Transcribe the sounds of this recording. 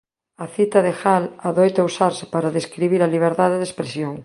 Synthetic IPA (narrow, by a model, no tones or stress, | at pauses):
ɐθit̪ɐðexalaðojt̪ausaɾsɪ̥paɾɐðeskɾiβiɾɐliβ̞eɾðaðɪðespɾesjoŋ